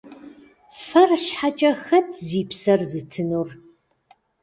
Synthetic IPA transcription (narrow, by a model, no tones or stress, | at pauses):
fɐrɕħat͡ʃʼɐxɐtʰziːpsɐrzɨtʰɨnur